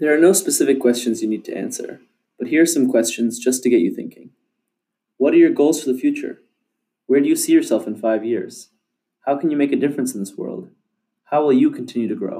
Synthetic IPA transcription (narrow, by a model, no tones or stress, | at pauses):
ðə˞ːnoʊspɨsɪfɨkʰw̥ɛst͡ʃɨ̃nzjɨnid̚tʰɨʔæ̰̃nsə̰˞ | b̥ʌt̚hiɹsʌ̃mkʰw̥ɛst͡ʃɨ̃nzd͡ʒʌstʰɨɡɛt͡ʃɨ̰θɪ̰̃ŋkɪ̰̃ŋ | wʌɾə˞jə˞ɡoʊlˠz̥fə˞ðəfjʉt͡ʃə̰˞ | wə˞dɨjɨsijə˞sɛlˠfɨ̃n̩faɪvjɪɹz̥ | haʊkʰɨ̃n̩jɨmeɪkɨdɪfɹə̃nsn̩ðɪswɜ̰˞lˠd̥̚ | haʊwɪlˠjɨkʰn̩tʰɪ̃njʉɾɨɡɹo̰ʊ